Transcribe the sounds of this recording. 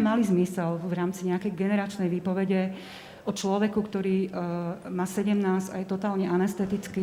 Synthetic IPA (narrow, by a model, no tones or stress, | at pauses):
malizmisɛlʋɾaːmt͡siɲɛakɛjɡɛnɛɾat͡ʃnɛjʋiːpɔʋɛɟɛ | ʔɔt͡ʃlɔʋɛkukt̪ɔɾiː | maːsɛɟɛmnaːsajɛt̪ɔt̪aːlɲɛʔanɛst̪ɛt̪it͡ski